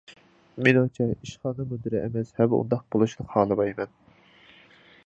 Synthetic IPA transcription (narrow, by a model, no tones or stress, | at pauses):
minoŋt͡ʃʰɛiʃχɑːnɨmud̪ɨɾɛʔɛmɛshɛwṵnd̪ɑq̚b̥olˠuʃlˠəqhɑːlˠɨbɑjɪmɛn